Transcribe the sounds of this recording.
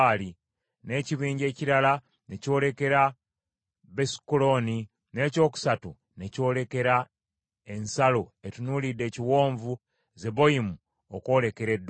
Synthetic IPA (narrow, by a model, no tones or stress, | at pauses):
li | ne̞ːciβiːɲɟe̞ːciɾala | ne̞co̞ːle̞ke̞ɾa | βesi̥kulo̞ni | ne̞ːco̞ːku̥satu | ne̞co̞ːle̞ke̞ɾa | e̞nsaloetunulidːe̞ːciwo̞ːɱvu | ze̞βo̞jimu | oko̞ːle̞ke̞ɾe̞d